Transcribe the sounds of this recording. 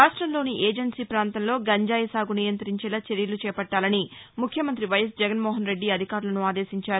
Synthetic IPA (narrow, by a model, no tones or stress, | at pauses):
ɾaːʂʈɾɐmlo̞ːniʔeːd͡ʒɐɳsiːpɾaːnt̪ɐmlo̞ːɡɐɲd͡ʒaːjɐsaːɡunijɐnt̪ɐɾiɲt͡ʃɛːlat͡ʃeɾjɐlut͡ʃɛːpɐʈːaːlɐnimukʰjɐmɐnt̪ɾiʋɐjɐs̬d͡ʒɛɡɐnmoːɦɐnɾe̞ɖːiɐd̪ʱikaːɾulɐnuaːd̪e̞ːsiɲt͡ʃaːɾu